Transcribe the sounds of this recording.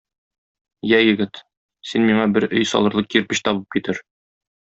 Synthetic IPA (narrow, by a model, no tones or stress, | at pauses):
jæjɘ̆ɡɘt̪ | sinmiɴɑbɘɾɵjsɒ̰lˠɤ̆ɾlˠɤqjĭɾpɘɕt̪ɒβɤp̚kit̪ɘɾ